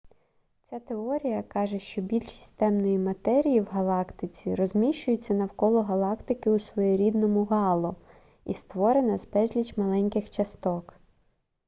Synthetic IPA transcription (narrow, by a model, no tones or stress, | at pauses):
t͡sʲat̪eɔɾʲijɐkɑʒeʃt͡ʃɔbʲilʲsʲi̥sʲt̪ɛmnɔjimɐt̪ɛɾʲijiwɦɐlˠɑkt̪ɪt͡sʲiɾɔzʲmʲiʃt͡ʃʊjʊt͡sʲːɐnɐwkɔlˠɔɦɐlˠɑkt̪ɪkɪʊsʋɔjɛɾʲid̪nɔmʊɦɑlˠɔ | ḭst̪ʋɔɾenɐzbɛzʲlʲit͡ʃmɐlˠɛnʲkɪxt͡ʃɐst̪ɔk